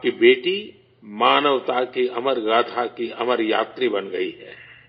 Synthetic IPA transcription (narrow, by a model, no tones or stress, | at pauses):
kibeːʈi | maːnəʋt̪akiɐməɾɡaːt̪ʰakiɐməɾja̰ːt̪ɾibɐnɡɐiɦɛː